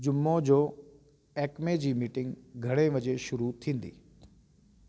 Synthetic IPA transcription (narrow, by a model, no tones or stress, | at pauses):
d͡ʑʊmːod͡ʑoː | ɛːkmed͡ʑiːmiːʈɪ̃ŋɡɡʱɐɽ̃eʋɐd͡ʑeʃʊɾut̪ʰĩːn̆d̪ḭː